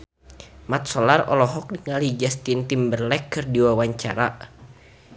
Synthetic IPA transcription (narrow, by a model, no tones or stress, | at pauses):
mat̪̚sɔlarɔ̰lɔɦɔk̚diŋalid͡ʒast̪int̪imbərlɛkːɨrdiwawaɲt͡ʃa̰ɾa